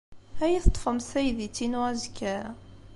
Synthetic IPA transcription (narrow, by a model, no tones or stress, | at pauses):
hæjiθt̪ˤːfəmsæjðit͡sːinuʁæzkːæ